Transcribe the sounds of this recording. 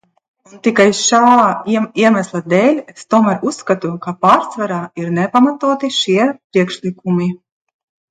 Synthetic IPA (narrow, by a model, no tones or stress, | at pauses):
unt̪ikajʃaːiɛmæslˠad̪ɛːlʲest̪uɔmæɾusːkat̪ukapaːɾsvaɾaːiɾnɛpamat̪uɔt̪iʃiɛpɾiɛkʃlʲˠikumi